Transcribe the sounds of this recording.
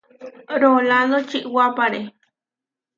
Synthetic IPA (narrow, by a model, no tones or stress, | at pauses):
ɾolad̪ot͡ʃiʔwapaɾe